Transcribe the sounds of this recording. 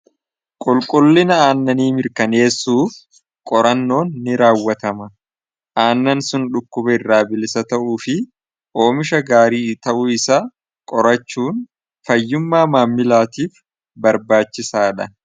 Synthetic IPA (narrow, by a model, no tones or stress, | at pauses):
kʼʊlkʼʊlːɪnɐaːnːɐniːmɪɾkɐne̞ːsːuːf | kʼɔɾɐnːo̞ːnːɪɾaːwːɐt̪ɐmɐ | ʔaːnːɐnsʊnᶑʊkːʊbɐɪrːaːbɪlɪsɐt̪ɐʔuːfɪ | ʔo̞ːmɪʃɐɡaːɾiːt̪ɐʔʊɪsaː | kʼɔɾɐt͡ʃːuːn | fɐjːʊmːaːmaːmːɪlaːt̪iːf | bɐɾbaːt͡ʃːɪsaːᶑɐ